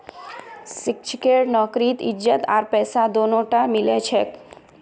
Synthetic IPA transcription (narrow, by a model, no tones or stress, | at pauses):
sɪk̚t͡ʃʰəkeɽnɔkɾit̪ɪ̰d͡ʒət̪a̰ɾpɛːsad̪onoʈamilet͡ʃʰek